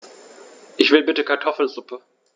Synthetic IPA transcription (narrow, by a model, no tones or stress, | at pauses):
ʔɪçv̥ɪlbɪtəkʰaɐtʰɔfl̩zʊpə